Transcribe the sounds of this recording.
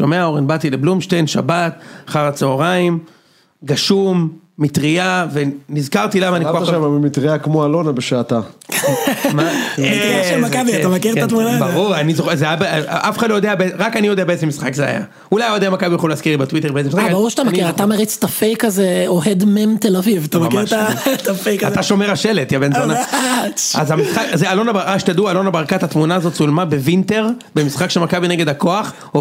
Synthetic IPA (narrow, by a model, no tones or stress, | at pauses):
ʃomeaoʁenbat̪ileblumʃtejnʃa̰bataχaʁat͡seoʁaim | ɡaʃumː | it̪ʁiavenizkaʁt̪ilamaːnikoaʃamabemit̪ʁiakmoalonabeʃaːt̪a | ma | ʃelmakabiaamakiʁat̪munabaʁuʁanizoezeajabeʔafeχadlojod̪eabeeʁakanijo̞d̪eabeezemisχakzea̰ja̰ | ulajod̪eamakabijaχoleaskiʁlibet̪wit̪eʁbeezemisχaabaʁuʁʃat̪amakiʁat̪ameʁit͡st̪afejkazeoɦed̪memt̪elavivat̪amamiʁat̪afejkaat̪aʃo̞meʁaʃelet̪javenona | azamisχakzealonabaaʃt̪ad̪uaːlonabaʁkat̪hat̪munaːzo̞t̪t͡sulmabevint̪e̞ʁbemisχakʃelmakabineɡed̪akoaχ